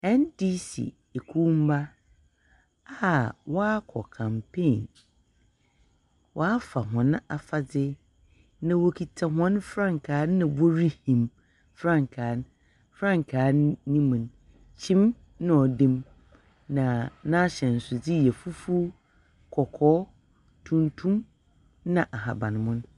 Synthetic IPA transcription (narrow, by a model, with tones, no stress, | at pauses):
ɛ̃˦ndi˦sḭ˨ | e˨kʰu˦m̩˦ba˦ | a˦˨wɔ˦a˦kʰɔ̰˨kʰã˨mpʰẽ˦˨n | wʔɔ˨˦a˦fa˨ɦɔ̃˨ñ˦a˨fa˨d͡zɪ˦ | nã˨wo˨kʰi˨tʰa˨ɦɔ̃˦n˦fɾã˦˨ŋkʰaː˨˦n˦nã˨bo˦ɾi˦hĩ˨m | fɾã˦˨ŋ˨kʰaː˨˦n˦ | fɾã˦ŋ˨kʰaː˨˦nĩ˦mũ˨n | t͡ɕʰĩ˦m | nã˦ɔ˨dẽ˦m | nã˨nã˦ɕɛ̃˨n̩˨sʊ˨d͡zɪ˦jɛ˨fu˦fu˦ | kʰɔ˨kʰɔː˦ | tʰũ˦ntʰũ˦m | nã˨ʔa˨ɦa˨bã˨n˨mʊ̃˦n˦